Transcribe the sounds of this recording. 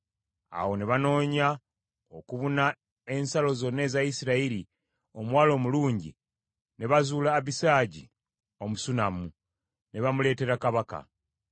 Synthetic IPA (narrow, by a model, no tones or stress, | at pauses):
a̰wo̞neβano̞ːɲa | okuβuna | e̞nsalo̞zo̞nːe̞ːzajisiɾaiɾi | o̞mwaːlo̞ːmuluːɲɟi | ne̞βazuːlaːβisaːɟi | o̞musunamu | neβamule̞ːte̞ɾakaβaka̰